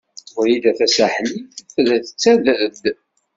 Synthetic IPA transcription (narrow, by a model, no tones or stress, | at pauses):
ʊɾid̪æθæsaħliθθðæθə̥t͡sːæðəd̪